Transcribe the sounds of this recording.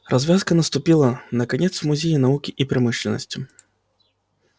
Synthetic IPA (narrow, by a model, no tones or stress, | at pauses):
rʔɐzʲvʲaskɐnɐst̪ʊpʲilˠɐnɐkanʲɛt̪smʊzʲejinɐvukʲiʔipɾɨmɨʂlʲɛnɐ̰sʲtʲi